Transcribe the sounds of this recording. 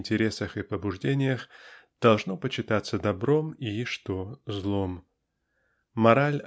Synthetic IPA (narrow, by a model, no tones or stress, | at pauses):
nʲtʲɪɾʲe̞səxɨpəbʊʐdʲenʲɪjəxd̪̥ɐlˠʐnopət͡ɕɪt̪at̪sːəd̪ɐbɾo̞miʂt̪ozlˠo̞m | mɐɾalʲ